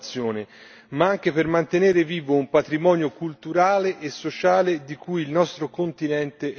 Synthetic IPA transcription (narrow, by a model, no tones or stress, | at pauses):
t̪sːjoːne | maaŋk̟epermant̪eneːɾeviːvoumpat̪ɾimɔːnjokult̪uɾaːleʔːsːot͡ʃaːled̪ikujilnɔst̪ɾokont̪inɛnt̪e